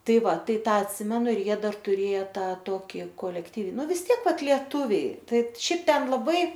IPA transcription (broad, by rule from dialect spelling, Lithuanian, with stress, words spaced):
ˈtɐɪ ˈʋɐ ˈtɐɪ ˈtɑː ɐtʲˈsʲɪmʲɛnʊ ɪr ˈjiɛ ˈdɐr tʊˈrʲeːjɛ ˈtɑː ˈtoːkʲɪ koːlʲɛkˈtʲiːw ˈnʊ ʋʲɪs ˈtʲiɛk ˈʋɐt lʲiɛˈtʊʋʲɛɪ ˈtɐɪp ˈʃʲɛɪp ˈtʲɛn lˠɐˈbɐɪ